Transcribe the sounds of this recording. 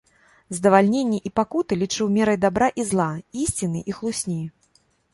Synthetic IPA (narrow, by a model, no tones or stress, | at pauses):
zd̪ɐvalʲnʲenʲːɛʔipakut̪ɨlʲit͡ʂɨwmʲɛɾɐjd̪abɾaʔizlˠaisʲt͡sʲinɨʔixlˠusʲnʲej